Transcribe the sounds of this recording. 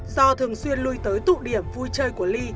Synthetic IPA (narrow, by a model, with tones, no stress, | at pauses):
zɔ˧t̪ʰɨ˨˩əŋswi˧ənlu˧jt̪əː˨˦jt̪ṵ˧˨ɗi˧˩əmvu˧jt͡ɕəː˧jku˧˩əli˧